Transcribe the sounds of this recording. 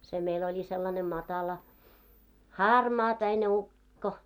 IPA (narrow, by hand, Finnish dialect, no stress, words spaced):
se meil olʲi selːɑne mɑtɑlɑ hɑrmɑːpæine ukːo